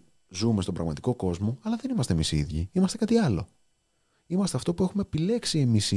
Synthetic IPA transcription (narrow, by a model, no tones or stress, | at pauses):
zume̞st̪o̞bɾɐɣmɐt̪i̥ko̞ko̞zmo̞ɐlɐðe̞nimɐst̪emisḭðʝḭimɐst̪e̞kɐt̪iɐlo̞̰ | imɐst̪e̞ɐft̪o̞pue̞xume̞pile̞ksie̞mis